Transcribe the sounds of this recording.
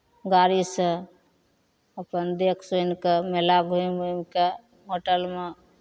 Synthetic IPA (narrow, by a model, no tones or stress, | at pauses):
ɡaɾisə̃ | əpənd̪ekʰsojnkemelaɡʱuimumke | ɦoʈəlme